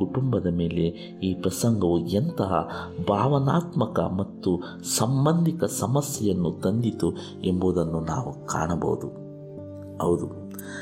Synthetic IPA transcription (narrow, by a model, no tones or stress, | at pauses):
uʈumbɐd̪ɐme̞ːle̞ | iːpɾɐsɐŋɡɐʋuɐnt̪ɐɦɐ̰bʱaːʋɐnaːt̪mɐkɐ̰mɐt̪ːu | sɐmbɐnd̪ʱikɐsɐmɐsjɛjɐnːut̪ɐnd̪it̪u | emboːd̪ɐnːunaːʋuka̰ːɳɐbɐ̰wud̪u | hɐwd̪u